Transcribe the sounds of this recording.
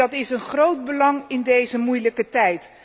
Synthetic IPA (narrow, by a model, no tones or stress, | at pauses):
ɑtɪsənχrowd̚bəlɑŋɪndejzəmujləkətɛjt